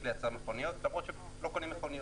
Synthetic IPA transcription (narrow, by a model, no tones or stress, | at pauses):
lejat͡saʁmeχonijot̪lamʁot̪ʃe | lokonimeχonij